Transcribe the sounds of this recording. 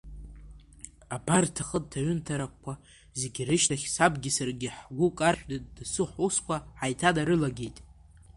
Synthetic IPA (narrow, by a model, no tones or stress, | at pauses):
abartʰaχəd̚tʰaʕʏntʰaɾakʷkʷa | zeɡʲirɨʃtʰaχʲsabɡʲɪsarɡʲɪħɡʷukʼarħʷᶣdɨd̚dsɨħʷuskʷʰaħajtʰadaɾɨlaɡʲe̞jtʼ